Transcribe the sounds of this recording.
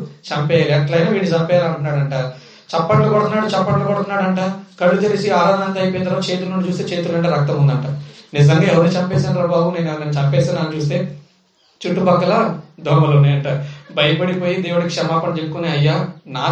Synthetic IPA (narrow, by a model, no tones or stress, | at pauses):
t͡ʃɐmpɛːjaːliɐkːɐlɐjnaːʋiːɽit͡ʃɐmpɛːjaːlɐɳʈunːaːɽɐɳʈaː | t͡ʃɛpːɐʈlɐkɔɽɐunːaːɽut͡ʃɛpːɐɳlɐkɔɽɐunːaːɽɐɳʈaːkɐɽːud͡ʒɐɾisiaːɾaːd̪ʱaːnɐt̪ɐjpojnt̪ɐɾoːt͡ʃe̞ːt̪ulnuɳɖit͡ʃuːst̪eːt͡ʃe̞ːt̪ulɐɳʈeːɾɐk̚t̪ɐmund̪ɐɳʈaːnizɐŋɡaːɛʋɐɾnut͡ʃɐmpeːsanɾɐːbaːɡuneːnɛʋɐnenut͡ʃɐmpeːsenaːnut͡ʃuːst̪e̞ː | t͡ʃuʈːubɐkːɐlad̪ʱɔːmɐlunːaːjɐɳʈaːbɐjɐpɐɽipoːjid̪eːwuɽɐkikʂɐmaːpɐnɐd͡ʒepːukuneːɐjːaːnaː